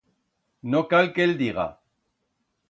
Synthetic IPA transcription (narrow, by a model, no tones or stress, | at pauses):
nokalkeld̪iɣa̰